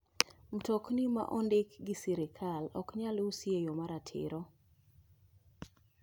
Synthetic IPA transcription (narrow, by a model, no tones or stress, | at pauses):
m̩toknima̰ʔɔndɪkɡɪsiɾɪkʰalɔ̰kɲalusjejomaɾatʰɪ̰ɾɔ